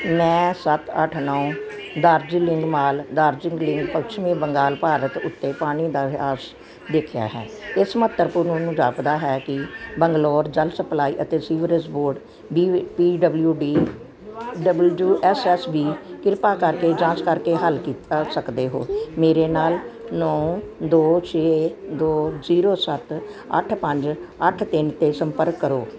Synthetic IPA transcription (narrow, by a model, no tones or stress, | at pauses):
mɛ̃ːsət̪ʰəʈʰnaːũː | d̪aːɾd͡ʒilɪŋɡmaːld̪aːɾd͡ʒɪŋɡlɪŋɡpəkt͡ʃʰmĩːbəŋɡaːlpaːɾət̪ʊt̪ːeːpaːɽ̃iːd̪aːʋɪɦaːs | d̪eːkʰja̰ːɦɛ̰ːɪsmət̪ːəɾpuɾnõːnũːd͡ʒaːpd̪aːɦɛːkɪbəŋɡloːɾd͡ʒəlsəplaːiːʔət̪eːsiːʋɾəsboːɾɖ | biːpiːɖəbljuːɖiː | ɖəbəluːʔɛːsɛːsbiːkɪɾpaːkəɾkeːd͡ʒãːt͡ʃkəɾkeːɦəlkiːt̪aːsəkd̪eːɦo̰ːmeːɾeːnaːlnɔ̃ːd̪oːt͡ʃʰeːd̪oːziːɾoːsət̪ə̰ʈʰpəɲd͡ʒəʈʰt̪ɪnt̪eːsəmpəɾkːəɾoː